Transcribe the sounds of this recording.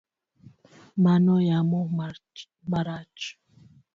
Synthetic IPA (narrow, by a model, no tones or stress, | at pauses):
manɔjamoma | maɾat͡ʃ